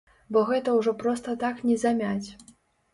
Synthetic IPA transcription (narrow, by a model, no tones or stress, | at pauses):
bɔɣɛt̪ɐwʐɔpɾɔst̪ɐt̪aknʲɛzamʲat͡sʲ